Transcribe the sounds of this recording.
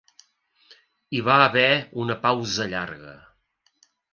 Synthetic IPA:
iβaːβɛunəpawzəʎa̰ɾɣə̰

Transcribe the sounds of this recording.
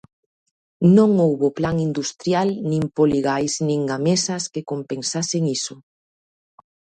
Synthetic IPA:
nõŋowβoplaŋind̪ust̪ɾjalnĩmpoliɣajsnĩŋɡamesɐskekompensaseŋisʊ

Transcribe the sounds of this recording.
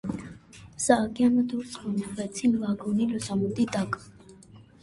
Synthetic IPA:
saːɡʼianɔd̪uɾsʼqʼɔnivɛt̪sʰinvaɡɔnilɔsamut̪ʼid̪akʼ

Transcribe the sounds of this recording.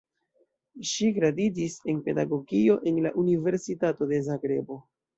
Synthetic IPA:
ʃikɾadid͡ʒise̞npe̞daɡo̞ɡio̞ʔe̞nlaʔunive̞ɾsitato̞de̞zaɡɾe̞bo̞

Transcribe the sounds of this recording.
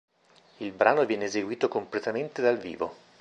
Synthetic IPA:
ilbɾaːnovjɛːneːzeɡwiːt̪okomplet̪ament̪ed̪alvḭːvo

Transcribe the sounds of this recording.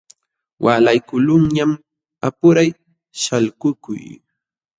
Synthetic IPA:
wʔaːlajkʊlʊŋɲam | apʊɾaj | ʃalkʊkʊ̰j

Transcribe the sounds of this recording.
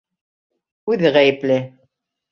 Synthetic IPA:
ʉðɘʁæjɘ̆plɘ

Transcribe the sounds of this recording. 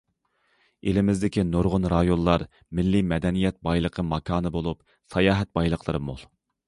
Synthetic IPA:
elɪmɪzd̪ɪkʲinoɾʁʊnɾɑjonlˠɑɾ | mɪlːimɛd̪ɛnijɛt̪̚bɑjlˠəqʰəmɑkʰɑːnɨbolˠup | sɑjɑːɦɛt̪̚bɑjlˠəqʰlˠəɾɨmo̰lˠ

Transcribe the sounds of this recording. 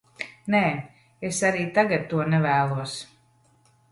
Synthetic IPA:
nɛː | esaɾiːt̪aɡat̪̚ːuɔnɛvæːlˠuɔs

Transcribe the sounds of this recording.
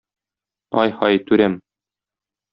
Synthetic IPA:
ɒjhɒjt̪ʉɾæm

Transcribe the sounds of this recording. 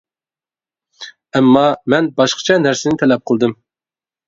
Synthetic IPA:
ɛmːɑmɛnbɑʃqʰɑ̥t͡ʃʰɛnæɾsɪnɪt̪ʰɛlɛp̚qʰəlˠd̪ɨm

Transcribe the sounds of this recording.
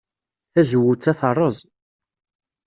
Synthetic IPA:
θæzwʊt͡sːæθərˤːəzˤ

